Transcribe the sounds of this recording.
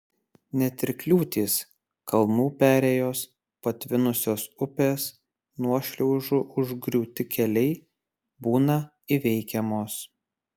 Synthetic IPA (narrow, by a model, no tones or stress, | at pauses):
nʲɛt̪ʲɪɾʲklʲuːt̪ʲiːs | kɐlˠnuːpʲæːɾʲeːjoːs | pɐt̪ʲʋʲɪnʊsʲoːsʊpʲeːs | nuɔʃʲlʲɛʊʒʊʔʊʒɡɾʲuːt̪ʲɪkʲɛlʲɛɪ | buːnɐ | ɪʋʲɛɪkʲɛmoːs